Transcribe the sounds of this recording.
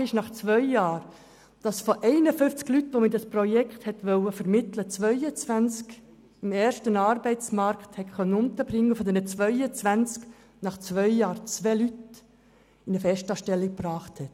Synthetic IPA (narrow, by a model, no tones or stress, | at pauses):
ɪʃnɑχt͡sʋœʏjɑːɾ | d̥ɑsfoʔɛɪnəfʏft͡sklytʋomɪtɑspɾɔjɛkχthɛtʋœwəfəɾmɪtlət͡sʋœʏət͡sʋænt͡sk | ɪmɛːrʃtənɑːɾbɛɪt͡smɑɾkthɛkχœnːənʊnt̪əbɾɪŋːəfɔd̪ɛnət͡sʋœʏət͡sʋænt͡sk | nɑχt͡sʋœʏjɑːɾt͡sʋɛːlyt | ɪnəfɛstɑːʃtɛlːɪk̚prɑːχthɛt